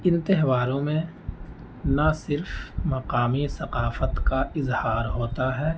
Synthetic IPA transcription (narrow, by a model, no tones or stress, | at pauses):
ɪ̃nt̪ɪɦwaːɾõmẽ | nasɪɾfmɐqaːmisɐqaːfət̪kaʔɪzhaːɾɦoːt̪aɦɛː